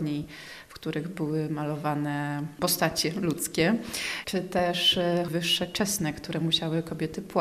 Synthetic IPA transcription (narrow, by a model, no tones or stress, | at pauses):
ɲi | fkt̪uɾɘɣbɘwɘmalɔvanɛpɔst̪at͡ɕɛlut̪skʲɛt͡ʂɘt̪ɛʂvɘʂːɛt͡ʂɛsnɛkt̪uɾɛmuɕawɘkɔbʲjɛt̪ɘpw